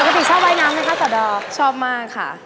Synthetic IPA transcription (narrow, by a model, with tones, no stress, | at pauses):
pə˨˩ka˧t̪i˨˩t͡ɕʰɔː˥˩p̚waː˦˥jnaː˦˥mna˦˥kʰa˦˥t̪ɔː˨˩dɔː˧˩kt͡ɕʰɔː˥˩p̚maː˥˩kʰːa̰˥˩